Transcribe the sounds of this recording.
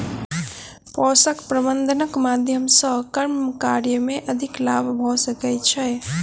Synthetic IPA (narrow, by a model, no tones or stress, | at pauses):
pɔsəkpɾəbənd̪ʱənəkmad̪ʱjəmsə̃kəɾmkaɾjəmeʔəd̪ʱiklabʱbʱɔsəkɛt͡ʃʰɛ